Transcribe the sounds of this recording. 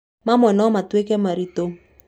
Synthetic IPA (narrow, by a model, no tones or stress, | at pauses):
mamɔnɔmatwekɛmaɾito